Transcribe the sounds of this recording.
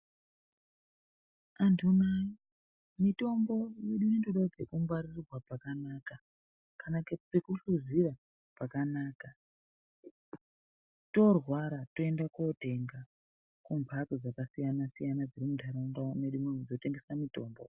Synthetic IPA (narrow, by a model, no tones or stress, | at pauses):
antʰunai | mito̞mbo̞jeɗunindoɗad͡zekumbwarirrwapakanaːka | kanakepekuɬuzira | pakanaːka | to̞rwaɾato̞e̞ndakote̞ŋɡa | kumbʱat͡sod͡zakasijanasijanad͡ziɾimudʱaɾaŋɡaneɗumed͡zote̞ŋɡesamito̞ːmbo̰